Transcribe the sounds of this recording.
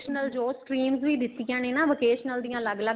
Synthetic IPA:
ʃnəld͡ʒoːskɾiːmzʋiːd̪ɪt̪ːɪjãːneːnaːʋoːkeːʃnəld̪ijãːləɡləɡ

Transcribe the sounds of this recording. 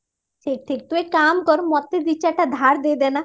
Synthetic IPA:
tʰek̚ʈʰek̚t̪uekamkɔɾmɔt̪ːed̪it͡ɕaʈad̪ʱaɾd̪ed̪ɛna

